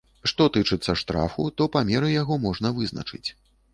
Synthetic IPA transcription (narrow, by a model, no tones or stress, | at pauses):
ʂt̪ɔt̪ɨt͡ʂɨt̪sːɐʂt̪ɾa̰fṵt̪ɔpamʲɛɾɨjaɣɔmɔʐn̪ɐvɨznɐ̰t͡ʂɨ̰t͡sʲ